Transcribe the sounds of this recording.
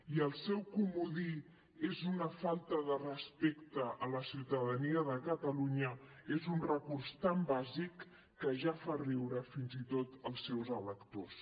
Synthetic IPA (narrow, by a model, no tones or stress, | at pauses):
iəlˠsɛwkumuði | ezunəfalˠt̪əðərəspekt̪əʔələsiwt̪əðəniəðəkət̪əluɲə | ezunrəkurst̪ambazikː | əʒafarɛwɾəfinzit̪ot̪əlˠsːɛwzələkt̪os